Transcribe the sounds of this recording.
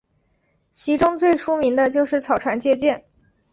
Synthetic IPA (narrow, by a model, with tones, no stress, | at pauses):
t͡ɕʰi˧˥ʈ͡ʂʊ˥ŋt͡swe˥˩ɪʂʰu˥mi˧˥ŋd̪ə˧t͡ɕjo˥˧ʊʂɻ̩˥˩t͡sʰɑ˨˩ʊʈ͡ʂʰwa˧˥nt͡ɕjɛ˥˧t͡ɕjɛ˥˩n